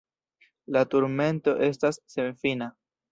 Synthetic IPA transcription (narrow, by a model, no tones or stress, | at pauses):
latuɾme̞nto̞ʔe̞s̬tasːe̞nfina